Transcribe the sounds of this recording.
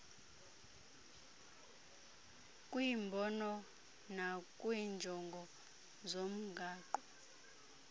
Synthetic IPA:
kʼwiːmbʱɔnɔ | nakʼwind͡ʒʱɔŋɡʱɔ | zom̩ɡʱaːǃɔ

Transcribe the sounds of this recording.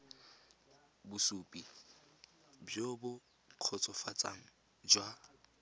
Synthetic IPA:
busupʼi | bjobʊ | q͡χʰɔt͡sʼɔfat͡sʼa̰ŋ̩ | d͡ʒwa

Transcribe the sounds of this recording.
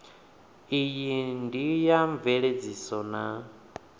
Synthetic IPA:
ijindijaɱveɺed͡zisɔna

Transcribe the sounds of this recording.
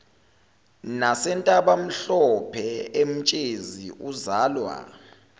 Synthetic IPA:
nasɛntʼaɓam̩ɬɔpʰɛem̩t͡ʃʼeziuzaːlwa̰

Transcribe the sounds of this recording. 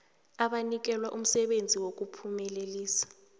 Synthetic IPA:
aɓanik̬ɛlwaʔum̩sɛɓend͡zʱiwok̬upʰumɛleliːsḁ

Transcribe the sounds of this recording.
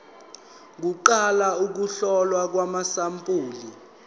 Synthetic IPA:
k̬uǃalauk̬uɬɔlwak̬wamasampʼuːli

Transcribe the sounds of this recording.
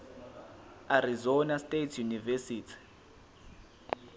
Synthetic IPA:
aɾizɔnastʼetʰjunivesiːtʰi̥

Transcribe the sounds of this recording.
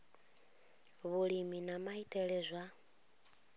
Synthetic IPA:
βuɺiminamaitʼɛɺɛzʷa

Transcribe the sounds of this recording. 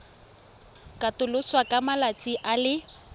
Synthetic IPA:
kʼatʊlʊswakʼamalat͡sʼiʔalɪ

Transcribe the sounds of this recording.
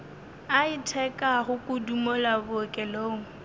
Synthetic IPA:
aitʰɛkʼaχʊkʼʊdumɔlabʊkʼɛloːŋ̩

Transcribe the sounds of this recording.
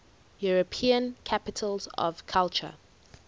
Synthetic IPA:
juɹəpʰĩə̃nkʰapɪtʰəlzɔ̰v̥kʰalt͡ʃə̰

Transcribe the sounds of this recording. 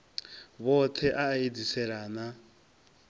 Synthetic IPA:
βɔtʰɛʔaːed͡zisɛɺaːna

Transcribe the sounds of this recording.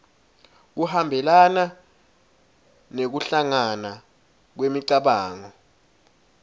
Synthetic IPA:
k̬uhambʱɛlana | nek̬uɬaŋana | k̬wemiǀaɓaːŋɔ

